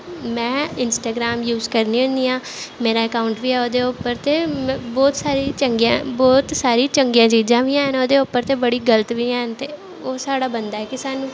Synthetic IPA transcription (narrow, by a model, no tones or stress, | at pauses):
mɛ̃ːɪnsʈaːɡɾaːmjuːzkəɾniːʊ̃nd̪iːãːmeːɾaːɛkaːʊɳʈʋiːɛːoːd̪eːʊpːəɾt̪eːm̃bɔːt̪saːɾiːt͡ʃəŋɡjãːbɔːt̪saːɾiːt͡ʃəŋɡjãːt͡ʃiːd͡ʒãːʋiːaːɦənoːd̪eːʊpːəɾt̪eːbəɽiːɡələt̪ʋiːaːɦnt̪eː | oːsaːɽaːbənd̪aːɛːkɪsaːnũː